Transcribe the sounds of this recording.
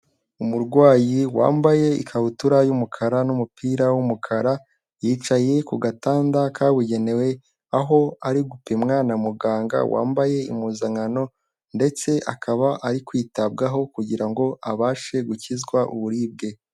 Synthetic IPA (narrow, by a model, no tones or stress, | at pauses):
umuɾɡwaːjiwa̰ːmbaje̞ḭkʰahutuɾajumukʰaɾanumupiːɾawumukʰaɾa | jiːt͡ʃaje̞kuɡataːndakʰawiɟe̞ne̞we̞ | aɦo̞aɾiɡupemŋaːnamuɡaːŋɡa̰wa̰ːmbaje̞ḭmuzaŋano̞ | nde̞t͡se̞ʔa̰kʰaβaʔaɾikwiːtab̚ɡaɦo̞kuɟiɾaŋɡo̞aβaːʃe̞ɡucizɡwaʔṵβuɾiːb̚ɡe̞